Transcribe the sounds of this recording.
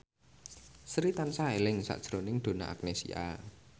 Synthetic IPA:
sɾit̪ansaelɪŋsa̰ʔd̥ʒ̥ɾonɪŋɖ̪̥o̤na̰ʔa̰k̚nesḭa̰

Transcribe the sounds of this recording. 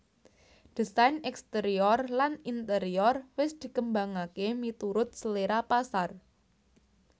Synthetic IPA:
d̥i̤sajnɛkst̪eɾiɔrlanint̪əɾiɔrwɪsd̪̥i̤kəmbaŋakemit̪uɾʊt̪̚səleɾapasar

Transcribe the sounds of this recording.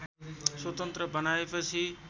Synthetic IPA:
sot̪ənt̪ɾəbʱənaːɪfəsiː

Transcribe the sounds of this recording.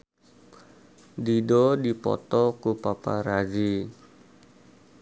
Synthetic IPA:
didɔdipɔ̰t̪ɔkupapaɾad͡ʒi

